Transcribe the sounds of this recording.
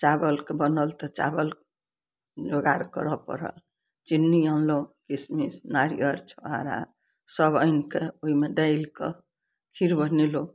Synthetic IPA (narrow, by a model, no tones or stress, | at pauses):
t͡ʃabəlkebənəlt̪ɔt͡ʃa̰bəl | d͡ʒoɡaɾkə̰ɾɔpə̰ɾə̰l | t͡ʃinːiãnlõkismisnaɾijəɾt͡ʃʰɔaɾa̰ | səbəjnkeoimeɖailkḛ | kʰiɾbənilõ